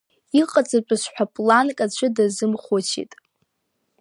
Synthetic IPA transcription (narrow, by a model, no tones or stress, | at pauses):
iqʼat͡sʼat͡ʃʷʼʊʃʷħʷᶣapʼlankʼat͡ɕʷʰʊdazɨmχʷot͡ʃʰḭtʼ